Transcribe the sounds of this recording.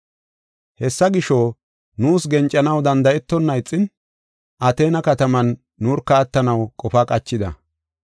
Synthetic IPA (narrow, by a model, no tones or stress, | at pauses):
hɛsːɐɡɪʃɔ | nuːsɡɛnt͡ʃʼːɐnɐwd̪ɐnd̪ɐɛt̪ːɔnːɐɪt͡sʼːɪn | ʔɐt̪e̞ːnɐkɐt̪ɐmɐnː | uːɾkːɐːt̪ːɐnɐwkʼɔfaːkʼɐt͡ʃːɪd̪ɐ̰